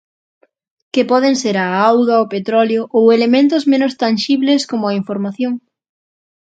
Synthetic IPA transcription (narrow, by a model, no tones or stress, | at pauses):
kɪpɔðeŋseɾaawɣaopet̪ɾɔljoʔowelemẽnt̪ʊzmẽnʊst̪anʃiβleskomʊaiɱfoɾmaθjoŋ